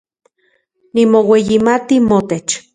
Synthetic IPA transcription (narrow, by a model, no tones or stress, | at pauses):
nimowejimat̪imot̪et͡ʃ